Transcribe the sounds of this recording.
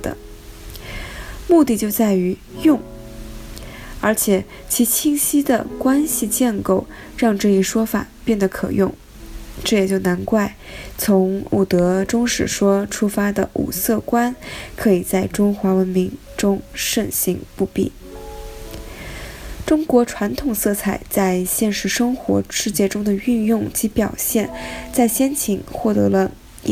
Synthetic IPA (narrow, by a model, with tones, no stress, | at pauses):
d̪ə̰˩ | mu˥˧t̪i˥˧t͡ɕjo˥˧ʊt͡sa˥˩ɪy˧˥ | jʊ˥˧ŋ | ə˞˧˥t͡ɕʰjɛ˨˩˦ | t͡ɕʰi˧˥t͡ɕʰi˥˩ŋɕi˥d̪ə̰˨kwa˥nɕi˨t͡ɕjɛ˥˧nko˥˩ʊ | ɻɑ˥˧ŋʈ͡ʂɤ˥˧i˥˩ʂwɔ˥fa̰˨˩pjɛ˥˩nd̪ə˩kʰɤ̰˨˩jʊ˥˩ŋ | ʈ͡ʂɤ˥˩jɛ˨˩t͡ɕjo˥˩ʊna˧˥nkwa˥˩ɪt͡sʰʊ˧˥ŋṵ˨˩t̪ɤ˧˥ʈ͡ʂʊ˥ŋʂɻ̩˨˩ʂwɔ˥ʈ͡ʂʰu˥fa˥d̪ə˨ʔṵ˨˩sɤ˥˩kwa˥nkʰɤ˧˥i˨˩t͡sa˥˩ɪʈ͡ʂʊ˥ŋxwa˧˥wə˧˥nmi˧˥ŋ | ʈ͡ʂʊ˥ŋʂə˥˩nɕi˧˥ŋpu˥˧pḭ˥˩ | ʈ͡ʂʊ˥ŋkwɔ˧˥ʈ͡ʂʰwa˧˥nt̪ʰʊ˨˩ŋsɤ˥˩t͡sʰa˨˩ɪt͡sa˥˧ɪɕjɛ˥˧nʂɻ̩˥˩ʂɤ˥ŋxwɔ̰˧˥ʂɻ̩˥˧t͡ɕjɛ˥˩ʈ͡ʂʊ˥ŋd̪ə˨y˥˧njʊ˥˩ŋt͡ɕi˧˥pjɑ˨˩ʊɕjɛ˥˩nt͡sa˥˩ɪɕjɛ˥nt͡ɕʰi˨˩ŋxwɔ˥˩t̪ɤ̰˧˥lə˧